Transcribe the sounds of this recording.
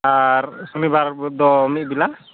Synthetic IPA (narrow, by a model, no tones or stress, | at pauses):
aɾsɔnibaɾd̪ɔmit̚bila